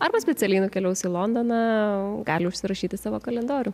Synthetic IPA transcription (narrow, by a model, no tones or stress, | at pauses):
ɐɾbɐsʲpʲɛt̪sʲɛlʲɛɪnʊkʲɛlʲɛʊsʲiːlˠoːnd̪onɑːɡɑːlʲɪʊʃʲsʲɪɾɐʃʲiːt̪ʲɪsɑːʋoːkɐlʲɛnd̪oːɾʲʊ